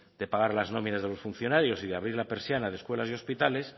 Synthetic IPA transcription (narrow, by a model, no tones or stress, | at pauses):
d̪̥e̞paɣ̞aɾlazno̞minazðe̞lo̞sfun̟θjo̞naɾjo̞siðeaβ̞ɾiɾlape̞ɾsjanaðeskwe̞lasio̞spit̪ale̞s